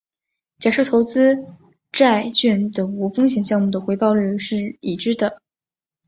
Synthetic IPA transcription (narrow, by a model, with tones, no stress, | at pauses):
t͡ɕja˨˩ʂɤ˥˩t̪ʰo˧˥ʊt͡sɹ̩˥ | ʈ͡ʂa˥˧ɪt͡ɕɛ˥˩nd̪ə˩ŋu˧˥fɤ˥ŋɕjɛ˧˥nɕjɑ˥˧ŋmu˥˩d̪ə˩xwe˧˥ɪpɑ˥˧ʊly˥˧ʂɻ̩˥˩i˨˩ʈ͡ʂɻ̩˥d̪ə˨